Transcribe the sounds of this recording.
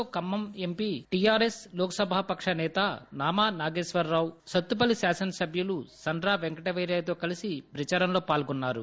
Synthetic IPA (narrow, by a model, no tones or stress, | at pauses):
oːkɐmːɐmempiːʈijaːɾesloːkɐsɐbʱaːpɐkʂɐnɛːt̪ɐnaːmaːnaːɡeːʂʋɐɾːaːwsɐt̪ːup̬ɐlisaːsɐnsɐbʱjulusɐɳɖɾaːʋeŋkɐʈɐʋɐjɾjaːjɐt̪o̞ːkɐlisibɾit͡ʃɐɾɐmlo̞ːpaːlɡunːaːɾṵ